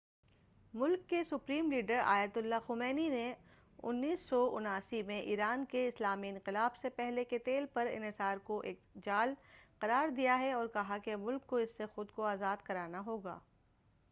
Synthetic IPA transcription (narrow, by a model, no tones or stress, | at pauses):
mʊlkːesʊpɾiːmliːɖəɾa̰ːjət̪ʊlːaxʊmɛːnine | ʊ̰nːiːsːɔʊ̰naːsimẽʔḭːɾaːnkeɪslaːmiɪ̃nqɪlaːbsepɛɦleket̪eːlpɐɾɪ̰nɦɪsaːɾkoʔḛːk̚d͡ʒaːlqɐɾaːɾd̪ijaɦɛɔːɾkɐɦakemʊlkːoɪsːexʊd̪koaːzaːd̪kɐɾaːnaɦoːɡa̰ː